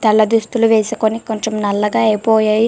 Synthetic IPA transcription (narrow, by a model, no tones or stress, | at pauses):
t̪ɐɭːɐd̪ust̪uluʋɛːsukoniko̞ɲt͡ʃemnɐlːɐɡaːɐjpoːjaːji